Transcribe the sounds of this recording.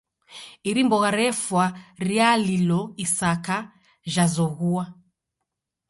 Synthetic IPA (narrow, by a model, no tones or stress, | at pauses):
iɾimbɔɣaɾɛfwaɾialilɔisaka | ʒazɔɣua